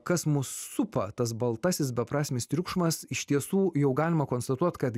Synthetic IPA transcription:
kɐsmʊsːʊpɐ̰t̪ɐs̬bɐlˠt̪ɑsʲɪsbʲɛpɾɑːsʲmʲɪst̪ʲɾʲʊkʃmɐsɪʃt̪ʲiɛsuːjɛʊɡɑːlʲɪmɐkoːnst̪ɐt̪uɔt̪kɐt̪

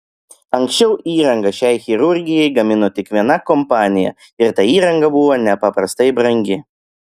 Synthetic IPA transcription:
ɐŋʲksʲt͡ʃʲɛʊʔiːɾɐŋɡɐʃʲɛɪxʲɪɾʊɾʲɡʲɪjɛɪɡɐmʲɪnoːt̪ʲɪkʋʲiɛnɐkɔmpɑːnʲɪjɛ̰ | ɪɾt̪ɐiːɾɐŋɡɐbʊʋonʲɛpɐpɾɐst̪ɐɪbɾɐŋʲɡʲɪ

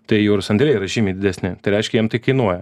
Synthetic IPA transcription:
t̪ɐɪjɛʊɾʊsɐnd̪ʲɾʲɛɾɐʒʲiːmʲɛɪd̪ʲɪd̪ʲɛsʲnʲɪt̪ɐɪɾɛɪʃʲkʲɛjɛmt̪ɐɪkɐɪnuɔjɛ

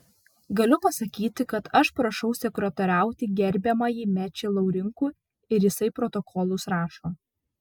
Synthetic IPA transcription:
ɡɐlʲʊpɐsɐkʲiːt̪ʲɪkɐt̪ɐʃpɾɐʃɐʊsʲɛkɾɐt̪oːɾʲæˑʊt̪ʲɪɡʲɛɾʲbʲɛmɐjiːmʲæt͡ʃʲɛɪlˠɐʊɾʲɪŋkuː | ɪɾjɪsɐɪpɾɔt̪ɔkʰɔlˠʊsɾɑːʃoː

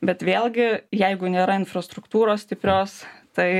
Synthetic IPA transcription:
bʲɛt̪ʋʲeːlˠɡʲɪjɛɪɡʊnʲeːɾɐɪnfɾɐst̪ɾʊkt̪uːɾoːssʲt̪ʲɪpʲɾʲoːst̪ɐɪ

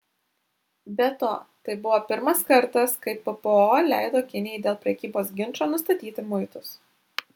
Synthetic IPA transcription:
bʲɛt̪o̰ːt̪ɐɪbʊʋoːpʲɪɾmɐskɐɾt̪ɐskɐɪpɨpəoːlʲæˑɪd̪oːkʲɪnʲɪjɛɪd̪ʲeːlˠpʲɾʲɛkʲiːboːs̬ɡʲɪnʲˑt͡ʃoːnʊs̬t̪ɐt̪ʲiːt̪ʲɪmʊɪt̪ʊs

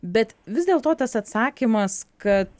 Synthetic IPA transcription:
bʲɛt̪ʋʲɪzd̪ʲeːlˠt̪oːt̪ɐsɐt̪sɑːkʲimɐskɐt̪

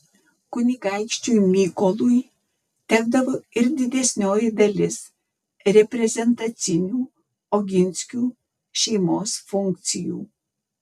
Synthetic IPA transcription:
kʊnʲiɡaɪkʃʲt͡ʃʲujmʲiːkolˠuj | t̪ʲɛɡd̪ɐʋoɪɾd̪ʲɪd̪ʲɛsʲnʲoːjɪd̪ɐlʲɪs | ɾʲɛpʲɾʲɛzʲɛnt̪ɐt̪sʲɪnʲuː | ɔɡʲɪnʲsʲkʲuː | ʃʲɛɪmoːsfʊŋk̚t̪sʲɪjṵː

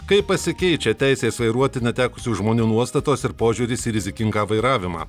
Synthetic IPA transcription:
kɐɪpːɐsʲɪkʲɛɪt͡ʃʲɛt̪ʲæˑɪsʲeːsʋɐɪɾuɔt̪ʲɪnʲɛt̪ʲæːkʊsʲuːʒmoːnʲuːnuɔst̪ɐt̪oːsɪɾpoːʒʲuːɾʲɪsiːɾʲɪzʲɪkʲɪŋɡɑːʋɐɪɾɑːʋʲɪmɑ̰ː

